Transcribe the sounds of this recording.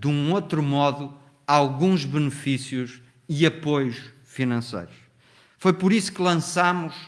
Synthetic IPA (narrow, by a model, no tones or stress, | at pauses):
d̪ũot̪ɾumɔðu | alˠɣũʒβɨnɨfisjuʃ | iɐpojuʃ | finɐ̃sḛjɾuʃ | fojpɔɾisu̥kɨlˠɐ̃samuʃ